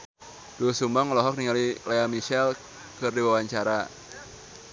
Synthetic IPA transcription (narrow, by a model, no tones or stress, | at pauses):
d̥uusumbaŋɔlɔɦɔk̚niŋalilaamiʃɛl | kɨrdiwawaɲt͡ʃaɾa